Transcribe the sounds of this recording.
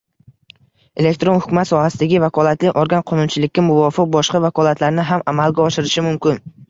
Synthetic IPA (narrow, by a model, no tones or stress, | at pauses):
e̞lek̚ʲt̪ɾo̞nhʊkʲmat̪sɒhasɪd̪aɡʲɪvakʰɒlˠat̪lɪʔɒɾɡʲanqʰɒnʊnt͡ʃʰɪlɪkʲːamʊvɒfɪq̚bɒʃqɑvakʰɒlat̪ʰlaɾnɪɦamamalɡʲaɒʃɪɾɪʃɪmʊmkʲɪn